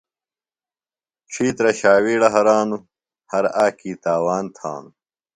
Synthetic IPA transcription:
ʈ͡ʂʰiːt̪ɾɐɕaːwiːɽɐɦɐɾaːnu | hɐɾaːkiːt̪aːwaːnt̪ʰa̰ːnu

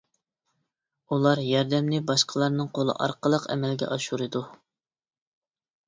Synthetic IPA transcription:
ulˠɑɾjɑɾd̪ɛmnɪbɑʃqʰəlˠɑɾnɨŋqʰolˠə̰ʔɑ̰ɾqəlˠəqɛ̰mɛlɡʲɛ̰ʔɑʃuɾɨd̪u

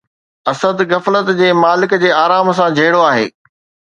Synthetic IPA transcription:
ɐsəd̪ɣɐflət̪d͡ʑeːmaːlɪkd͡ʑeːaːɾaːms̬ãd͡ʑʱɐɦɪɽoaːɦḛː

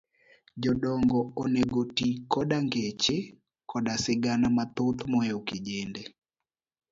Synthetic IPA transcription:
d͡ʒɔdɔŋɡɔoneɡotikɔdaŋɡet͡ʃe | kɔdasɪɡanamat̪ot̪mɔɛoked͡ʒende

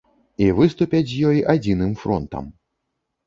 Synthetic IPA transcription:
ivɨst̪upʲɐt͡sʲzʲjɔjʔad͡zʲinɨmfɾɔ̰nt̪ɐ̰m

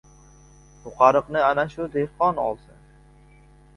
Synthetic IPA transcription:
tʊqʰɑɾɨqnɪanaʃʊd̪ehqɒnɒ̰lˠsɪ̰n

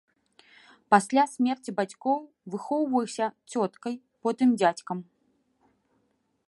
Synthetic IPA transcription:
pasʲlʲasʲmʲɛrt͡sʲibat͡sʲkɔw | vɨxɔwvɐjisʲɐt͡sʲɔt̪kɐj | pɔt̪ɨmd͡zʲat͡sʲkɐm

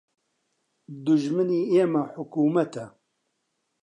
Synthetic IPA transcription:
d̪ʊʒmɨniːeːmɐħʊkuːmɐt̪ʰɛ

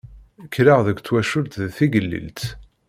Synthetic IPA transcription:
kːɾaʁðəɡʷt͡sːwæʃʊlt̪ðθiɡəlːḭlt̪

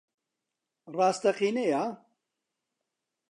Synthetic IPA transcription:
rɑːst̪ɐχiːnejaː

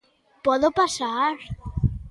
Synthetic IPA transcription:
pɔðopasaɾ

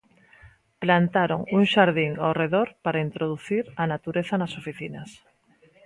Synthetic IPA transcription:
plant̪aɾoŋuŋʃaɾð̞iŋawreðoɾpaɾaint̪ɾoð̞uθiɾanat̪uɾeθanasofiθinas

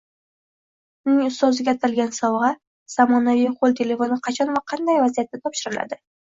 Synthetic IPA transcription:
ʊnɪŋʊst̪ɒzɪɡʲaːt̪ʰalɡʲansɒvʁɑ | z̥amɒnavijqʰolˠt̪ʰe̞le̞fo̞nɪqʰɑt͡ʃʰɒnvaqʰɑnd̪ajvazijat̪ːat̪ʰɒpʃɪɾɪla̰d̪ɪ

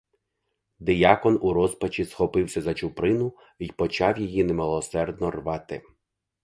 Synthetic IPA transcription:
d̪ɪjɑkɔnuɾɔspɐt͡ʃisxɔpɪwsʲɐzɐt͡ʃʊpɾɪnʊ | ijpɔt͡ʃɑwjijinemelˠɔsɛrd̪nɔrʋɑt̪ɪ

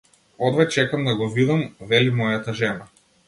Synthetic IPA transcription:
ɔd̪vɛt͡ʃɛkamd̪aɡɔvid̪amvɛlimɔjat̪aʒɛna

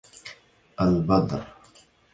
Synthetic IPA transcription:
ʔalbɑd̪ˤɾ

